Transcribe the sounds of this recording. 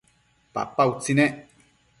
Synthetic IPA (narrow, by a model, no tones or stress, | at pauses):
pa̰paut͡sinɛʔ